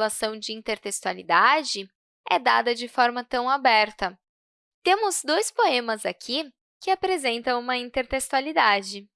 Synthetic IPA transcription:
lasɐ̃w̃d͡ʒɪĩnt̪eɾt̪est̪ualid̪ad͡ʒɪ | ɛ̰d̪ad̪ɐd͡ʒɪfɔɾmɐt̪ɐ̃w̃abɛɾt̪ɐ | t̪ẽmʊzd̪ojspoẽmɐzakʲʰi | kɪapɾezẽnt̪ɐ̃w̃ũmɐĩnt̪eɾt̪est̪ualid̪ad͡ʒɪ

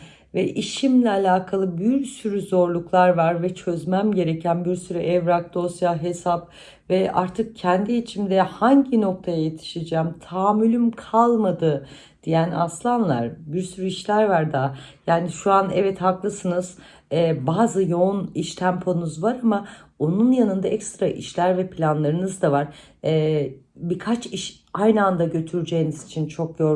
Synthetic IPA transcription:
vɛʔiʃimlʲɛalʲaːkʰalˠɯbiɾsyɾyzo̞ɾlˠuklˠaɾvaɾvɛt͡ʃʰø̞zmæmɟe̞ɾecʰænbiɾsyɾyʔɛvɾak̚d̪o̞sjaːɦe̞sap | vɛa̰ɾt̪ʰɯk̚cʰɛnd̪iit͡ʃʰimd̪ɛhaɲɟino̞k̚t̪ʰajajet̪ʰi̥ʃed͡ʒɛːmt̪ʰaːmːylʲymkʰalˠmad̪ɯ | d̪̥ijæna̰slˠanlˠa̰ɾbiɾsyɾyiʃlʲæɾvaɾd̪ajaːniʃuanɛvɛt̪haklˠɯsɯnɯz̥ | ɛːbaːzɯjo̞uniʃt̪ʰæmpʰo̞nuzvaɾamao̞nunjanɯnd̪aʔɛcst̪ɾaʔḭʃlʲæɾvɛpʰlʲanlˠaɾɯnɯzd̪avaɾ | ɛːbiɾkʰat͡ʃiʃ | ajnɯand̪aɟø̞t̪ʰyɾd͡ʒejinizit͡ʃʰint͡ʃʰo̞k̚ɟøɾ

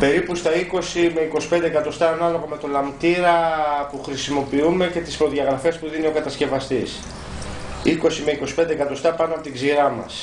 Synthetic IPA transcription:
pe̞ɾipust̪ɐiko̞sime̞iko̞si̥pend̪eːkɐt̪o̞st̪ɐːnɐlo̞ɣome̞t̪o̞lɐmt̪iɾɐpuxɾisimo̞piume̞ce̞t̪i̥spɾo̞ðʝɐɣɾɐfe̞spuðinio̞kɐt̪ɐsce̞vɐst̪is | iko̞sime̞iko̞si̥pend̪ekɐt̪o̞st̪ɐpɐnoɐpot̪iɡziɾɐmɐ̰s

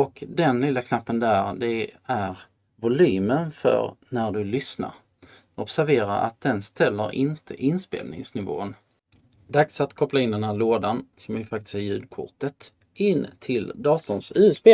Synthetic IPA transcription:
ɔkd̪ɛnlɪːlːakʰnapːənd̪æɾd̪ɛæɾ | vʊlyːmənfœ̰ɾnæɖɵlʏsna̰ɾ | ʔɔpsæɾveːɾaʔa̰t̪̚d̪ɛnst̪ɛlːəɾʔɪnt̪ʰə̰ʔɪnspḛːlnɪ̰ŋsnɪvo̰ːən | d̪aksat̪kʰɔplaɪnd̪ɛnɦæːɭoːd̪ansɔmjɪfak̚t̪ɪ̥sæɾjʉ̟ːd̪̚kʰʊ̰ʈət̪ | ɪnːt̪ʰɪld̪ɑːt̪ʊnsʉ̟ːspeː

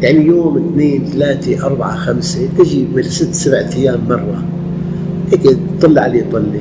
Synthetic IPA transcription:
jaʕnijoːmɪt̪neːnt̪alaːt̪eʔɑɾˤbaʕa̰xamset̪ɪʒibɪlsɪt̪ːsabʕt̪ɪjːaːmːɑrˤːɑ | heːke | t̪ˤːɨlːʕliːt̪ˤɨlːi

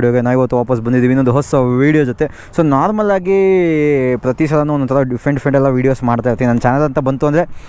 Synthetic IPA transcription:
ɽijoɡenaːʋiʋɐt̪ːuʋaːpɐs̬bɐnd̪id̪iːʋinːond̪uɦɔsɐʋiːɽijod͡ʒot̪e̞ | soːnaːɾmɐlaːɡi | pɾɐt̪is̬ɐlɐnuɔnːɔt̪ɐɾɐɖipʰɾeɳʈpʰɾeɳʈɛlːɐʋiːɽijo̞ːsmaːɽt̪ajiɾt̪iʋinɐnːɐt͡ʃaːnɐlɐnt̪ɐbɐnt̪uɐnd̪ɐɾe̞

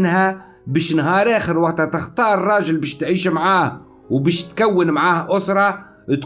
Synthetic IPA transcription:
nhæ | bɛːʃnɦɑːɾˤʔæːxəɾwaʔt̪hæt̪ɪxt̪ˤɑːɾˤrˤːɑːʒəlbɛːʃt̪ʕiːʃmʕaːh | wbæːʃt̪kæwːənmʕaːhʔʊsɾˤɑ | t̪

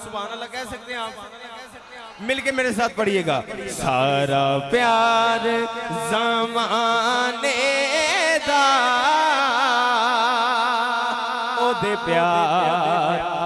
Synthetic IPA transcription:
sʊbaːnaːlːaːkɛːsək̚d̪eaːpː | mɪlkemeːɾesaːt̪̚ʰpəɽieːɡaːsaːɾaːpjaːɾzaːmaːneː | d̪aː | oːd̪eːpjaː | ɾ

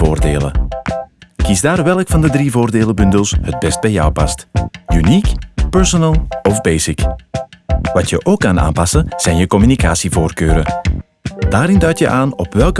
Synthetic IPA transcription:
oːrdḛːlə̰ | kizdaːrʋɛləkfɑndədrivoːrdeːləbɵndəlˠshəd̚bɛst̚bɛjɔwpɑ̰stynikpɛɹsɔnɛlˠɔvbejsɪk | ʋɑtjəʔoːkːɑna̰ːnpɑsənz̥ɛjnjəkɔmynika̰ːsivoːrkøːɾə | d̥aːɾɪndœɥtjə̰ʔaːnɔpʋɛlˠk

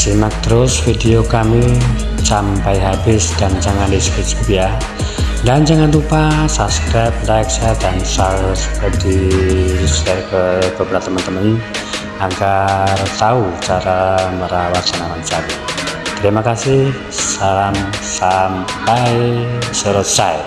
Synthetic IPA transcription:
simak̚d̪ɾʊsfidiokami | t͡ʃampajɦabɪsd̥aɲt͡ʃaŋandisfesbupija | daɲt͡ʃaŋanɾupasabskɾajp̚lajksɛp̚dansalsəd̪i | sɛrkəb̥əbɾat̪əmant̪əmən | aɡart̪aut͡ʃaɾaməɾawatd̥anawant͡ʃamit̪əɾimakasih | saɾamsampajsəɾɔsaj̚

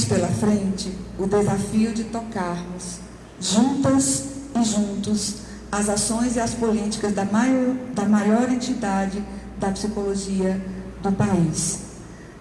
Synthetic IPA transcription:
spelɐfɾẽnt͡ʃɪʊd̪ezafiʊd͡ʒɪt̪okaɾmʊs | ʒũnt̪ɐsɪʒũnt̪ʊs | ɐzasõj̃zɪɐspolit͡ʃi̥kɐzd̪ɐmad̪ɐmajɔɾẽnt͡ʃid̪ad͡ʒɪ | d̪ɐpsikoloʒiɐd̪ʊpais

